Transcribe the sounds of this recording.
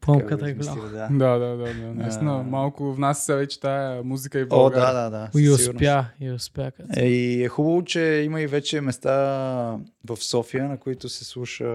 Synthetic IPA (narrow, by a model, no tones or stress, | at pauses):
pakat̪ɡla | ad̪ad̪ad̪ad̪anɐĩst̪inəmalˠkʊvnassɛvɛt͡ʃɛ̥t̪ajəmuzikəibˠoɔɡ̪ad̪ad̪aiʊiɡ̪uɾnpjaiʊspjakaiɛxubəvot͡ʃɛiməivɛt͡ʃɛmɛst̪a | vɐfsɔfijənɐkoit̪ʊsɛslˠuʃə